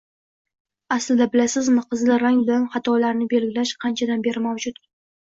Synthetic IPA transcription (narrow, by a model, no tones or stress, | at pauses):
aslɪd̪abɪlasɪzmɪqʰɨzlɪɾaŋbɪlaŋχɑt̪ʰɒlaɾnɪbe̞lɡʲɪlaʃqʰɑnt͡ʃʰad̪anbe̞ɾɪmawd͡ʒʊt̪